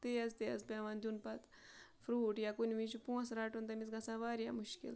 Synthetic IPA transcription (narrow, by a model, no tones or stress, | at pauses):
t̪eɐzt̪eɐspeʋand̪unpɐt̪ | fʰɾuːʈjakunʲʋit͡ʃʰupũːɐ̃sɾaːʈunt̪ɐmisɡɐsãːʋaːɾja̰ːmuʃkḭl